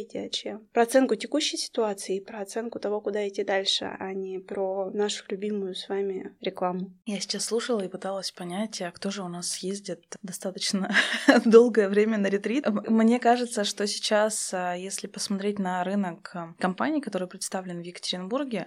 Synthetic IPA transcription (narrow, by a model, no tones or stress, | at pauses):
tʲɪɐt͡ɕempɾɐt̪sɛnkʊtʲɪkuɕːɪjsʲɪ̥t̪ʊat̪sɨɪpɾəɐt̪sɛnkʊt̪ɐvo̞kʊd̪aɪtʲːid̪alʲʂɨ̰ʔanʲɪpɾonaʂʊ̥lʲʉbʲimʊjʊsvamʲɪɾʲɪklˠamʊjasʲɪ̥t͡ɕasːlˠuʂəlˠəipɨt̪alˠəsʲpɐnʲætʲəkt̪o̞ʐɨʊnasjezʲdʲɪt̪d̪ɐst̪at̪ət͡ɕnəd̪o̞lˠɡəjəvɾʲemʲənəɾʲɪt̪ɾʲimnʲe̞kaʐɨt̪səʂt̪o̞sʲɪ̥t͡ɕasjesʲlʲɪpəsmɐt̪ɾʲetʲnəɾɨnəkkɐmpanʲɪiːkɐt̪o̞ɾɨjpɾʲɪt̪st̪avlʲɪnvjɪkə̥tʲɪɾʲɪnburɡʲɪ